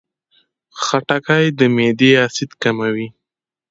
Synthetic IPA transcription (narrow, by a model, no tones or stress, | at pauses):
xaʈakajd̪əmed̪easɪt̪kamawi